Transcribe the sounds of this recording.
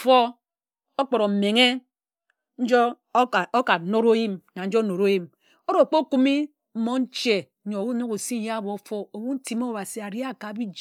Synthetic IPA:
fo˦ | o˦k͡po˨ɾo˨m̩˨me˨ŋe˦ | n̩˦d͡ʒo˦˨o˦ka˨no˦ɾo˦ji˦mna˨n̩˦d͡ʒo˦no˨ɾo˦ji˦m | o˦ɾo˨k͡po˦ku˦mi˦ | m̩˦mo˦n̩˦t͡ʃe˨˦ | ɲo˨wu˦no˦ko˨si˦ja˦bo˨fo˦o˨wu˦n̩˦ti˨mo˦˨ba˨si˨a˨ɾi˦a˦˨ka˨˦bi˦d͡ʒ

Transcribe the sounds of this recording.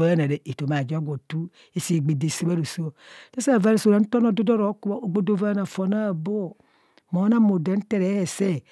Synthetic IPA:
a˦na˨de˨ʔe˨to˨ma˨d͡ʒo˦ɡʷo˨tu˦ | e˦si˨ɡ͡be˨de˨si˦ba˦ɾu˨so˦˨sa˦sa˦˨va˦ɾo˨so˦˨ɾa˨n̩˦tɔ˦no˦do˦do˦ɾo˨˦ku˦a˦o˨ɡ͡bo˦do˦va˦na˨fo˨na˦˨bo˦˨ | mo˨˦na˦mo˨da˨˦n̩˦te˦ɾe˨˦he˨se˦˨

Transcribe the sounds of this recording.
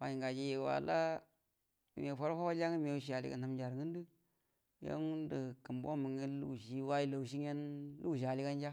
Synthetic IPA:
wa˨ji˨ŋɡa˨d͡ʒi˦je˨wa̰˨la˦˨ | me˨fo˦ɾa˦fa˦wa˦d͡ʒa˦ŋi˦me˨ʃ̬i˦a˨lḭ˦ka̰˨na˨md͡ʒa˨ɾŋə˦ndi˦ | ja̰˦ŋu˦ndə˨kə˨mbo˦mə˨ŋi˦lṵ˦˨ʃi˦wa˦i˦la˨u˨ʃ̬i˦ŋ˦e˦nlu˦˨ʃ̬a˨li˦ka˦nd͡ʒa˦

